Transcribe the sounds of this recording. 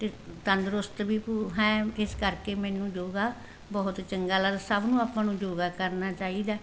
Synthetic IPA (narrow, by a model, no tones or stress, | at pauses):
t̪eːt̪ənd̪ɾʊst̪biːpuɦɛ̃ːɪskəɾkeːmɛ̃ːnũːd͡ʒoːɡaː | bɔːʊt̪t͡ʃəŋɡaːləd̪səbnũːaːpːãːnũːd͡ʒoːɡaːkəɾnaːt͡ʃaːiːd̪aː